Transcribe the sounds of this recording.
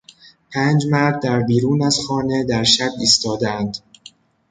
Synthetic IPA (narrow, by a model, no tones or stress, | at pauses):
pʰæːnd͡ʒmæɾd̪̚ːæɾbiːɾuːnæzxɒːne̞d̪æɾʃæbiːst̪ɒːd̪eænd̪̥